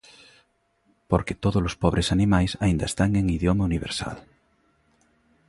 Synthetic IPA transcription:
poɾket̪oðolospɔβ̞ɾesanĩmajsaind̪aest̪aŋeŋiðjomauniβ̞eɾsa̰l

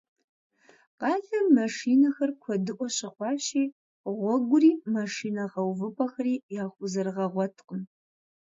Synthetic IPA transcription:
qɑːɮɐmmɐʂiːnɐxɐrkʷʰɔdɨʔʷʼɔɕɪχʷɑːɕiː | ʁʷɔɡʷʊriːmɐʂiːnɐʁɐwvɨpʰɐxɐriːjaːxʷʊzɐrʁɐʁʷɔtʰqəm

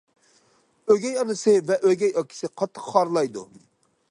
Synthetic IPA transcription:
øɡʲɛjɑnɨsɨvɛʔøɡʲɛjɑkʲʰi̥sɪqʰɑt̪ʰːəqχɑɾlˠɑjd̪ṵ

